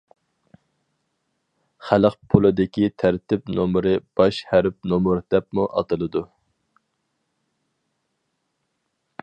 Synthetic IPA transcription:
χæləqpʰolˠɨd̪ɪkʲit̪ʰæɾt̪ʰɪpnomɾɨb̥ɑʃhæɾp̚nomuɾd̪̥ɛp̚muʔɑ̰t̪ɨlˠɨd̪u

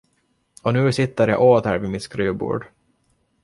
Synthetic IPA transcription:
ɔnʉ̟ːsɪt̪ːəɾjɑ̰ʔoːt̪hæːɾvɪmɪt̪skɾʉːbṵːɖ

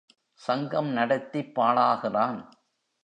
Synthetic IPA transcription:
sɐŋɡɐmnɐɽɐt̪ːipːaːɭaːɣɪraːn

